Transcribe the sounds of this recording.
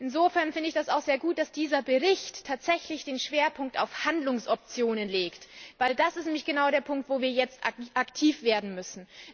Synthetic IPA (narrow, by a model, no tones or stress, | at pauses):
ʔɪnzoːfɛɐnfɪndəɪçd̥asaʊxz̥eːɐɡuːt̚d̥asd̥iːzɐbəʁɪçtʰːaːtz̥ɛçlɪçd̥eːnʃv̥eːɐpʰʊŋk̚ta̰ʊfhandlʊŋsʔɔp̚t͡sjoːnənleːktvaɪldasɪstnɛːmlɪçɡ̥ənaʊɾeːɐpʰʊŋk̚tv̥oːviːɐjɛt͡stʔaʔaktʰiːfv̥eːɐdn̩mʏsn̩